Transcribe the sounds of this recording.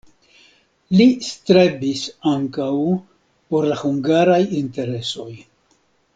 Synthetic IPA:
list̪ɾe̞bisaŋkaw | po̞ɾlahuŋɡaɾajint̪e̞ɾe̞so̞j

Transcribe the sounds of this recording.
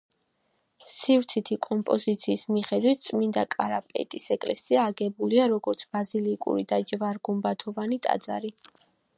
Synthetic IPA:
sift̪sʰit̪ʰikʼɔmpʼɔzit̪sʰiːsmiχɛd̪wit̪̚ʰt̪sʼmind̪akʼaɾapʼɛ̰t̪ʼisɛkʼlɛsiaːɡɛbuliaɾɔɡɔɾt̪sʰbazilikʼṵɾid̪ad͡ʒvaɾɡumbat̪ʰɔvanit̪ʼa̰d̪za̰ɾi

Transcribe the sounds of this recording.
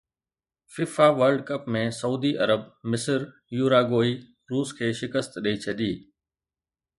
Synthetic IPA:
fiːfaʋəɾɖkəpmẽsɐuːd̪iʔɐɾəbmɪsəɾ | juːɾaːɡoːi | ɾuːskʰeːʃɪkəst̪ɗəit͡ɕʰɐɗiː

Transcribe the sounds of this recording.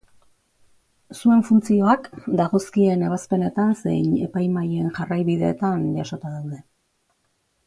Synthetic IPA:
sue̞ɱfunt͡sio̞akd̪aɣ̞o̞skie̞ne̞β̞aspe̞ne̞t̪anse̞̰jne̞pajmaje̞nʝarajβiðe̞̰ːt̪anʝaso̞t̪aðawðe̞

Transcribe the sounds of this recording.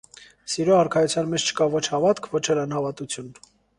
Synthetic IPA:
siɾɔɑɾkʰɑjut͡sʰjɑnmɛt͡ʃʰt͡ʃʰə̥kɑvɔt͡ʃʰhɑvɑt̪kʰvɔt͡ʃʰɛlɑnhɑvɑt̪ut͡sʰjun

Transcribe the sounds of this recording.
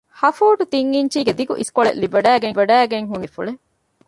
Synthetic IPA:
hɐfuːʈut̪iŋːiɲt͡ʃiːɡed̪iɡuʔḭskoɭḛʔlːibɐɖæːɡebɐɖæːɡeŋɦunifṵɭe

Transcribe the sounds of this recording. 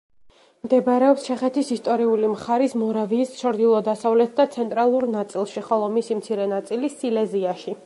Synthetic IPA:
md̪ɛbɾɛɔpst͡ʃʰɛχɛt̪ʰisist̪ʼɔɾiulimχaɾismɔɾaviːsʃɔɾd̪ilˠɔd̪asavlɛt̪̚ʰd̪at̪sʰɛnt̪ʼɾalˠuɾnat̪sʼilˠʃiχɔlˠɔmisimt̪sʰiɾɛnat̪sʼilisilɛziaʃi

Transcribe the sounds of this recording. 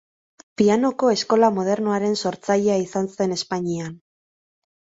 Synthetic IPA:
piano̞ko̞e̞sko̞lamoð̞e̞ɾnoaɾe̞nso̞ɾt͡sajeaisanse̞ne̞spaɲian

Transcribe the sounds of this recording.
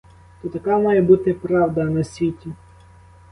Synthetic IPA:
t̪ɔt̪ɐkɑmɑjɛbut̪ɪpɾɑwd̪ɐnɐsʲʋʲitʲi

